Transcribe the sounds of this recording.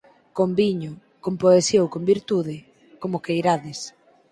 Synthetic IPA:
kombiɲʊ | kompoesjowkombiɾt̪uðɪ | komʊkejɾaðɪs

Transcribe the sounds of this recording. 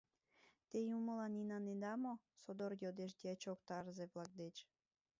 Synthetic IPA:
t̪ejuməlɑninɑnend̪ɑmo | sod̪orjod̪eʃ̬d̪iɑt͡ɕokt̪ɑrzeβlɑk̚d̪et͡ɕ

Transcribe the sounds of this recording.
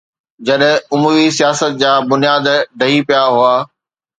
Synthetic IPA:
d͡ʑɐɗɦɪ̃ʊmuːɾisijaːsət̪̚d͡ʑaːbʊnijaːd̪ɖɐɦipijaɦʊaː

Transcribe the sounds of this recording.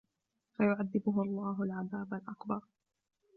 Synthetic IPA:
fajʊʕaðːɪbʊɦʊɑlˤːɑːɦalʕaðaːbalʔakbɑɾˤ

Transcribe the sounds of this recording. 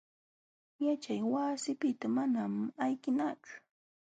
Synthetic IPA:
jat͡ʃajwasɪpɪt̪amanamajkɪnat͡ʃʊ̥

